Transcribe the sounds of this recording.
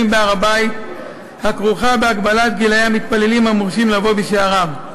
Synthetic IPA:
imbeaʁabait̪ | hakʁuχabeaɡbalat̪ɡilajamit̪pale̞limhamoʁʃimlavo̞biʃeaʁav

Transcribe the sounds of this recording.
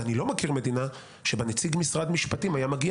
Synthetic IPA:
anilo̞makiʁme̞d̪ina | ʃe̞benet͡siɡmisʁad̪miʃpatimajamaɡi

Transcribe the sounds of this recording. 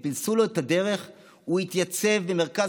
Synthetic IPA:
pilsuloet̪ad̪e̞ʁe̞χ | uhit̪jat͡se̞vbe̞me̞ʁka

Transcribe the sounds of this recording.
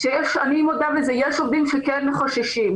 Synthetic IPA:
ʃejɛʃanimod̪avezɛjɛʃomd̪imʃɛkɛnχoʃiʃim

